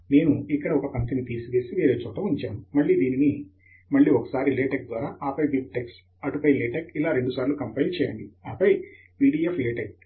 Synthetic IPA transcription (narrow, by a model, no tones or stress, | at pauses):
ne̞ːnuikːɐɽɐɔkɐpɐnt̪init̪iːsiʋeːsiʋeːɾeːt͡ʃuːt̪ɐmuɲt͡ʃaːmumɐɭːiːd̪iːnini | mɐɭːiːɔkɐ̥saːɾileːʈek̚d̪ʋaːɾaːʔaːpɐjbik̚ʈeks | ɐʈupɐjleːʈekilaːɾe̞ɳɖusaːɾlukɐmpɐjlt͡ʃɛːjɐ̰ɳɖiaːpɐj | piːɽiːefʰleːʈek̚